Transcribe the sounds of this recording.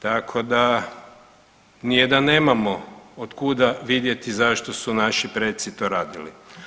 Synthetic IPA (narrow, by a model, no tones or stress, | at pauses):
t̪akʰo̞d̪a | nijed̪anːeːmamood̪kud̪aʋid̪je̞t̪izaʃt̪osunaʃipɾet̪sit̪o̞ːɾaːd̪ilḭ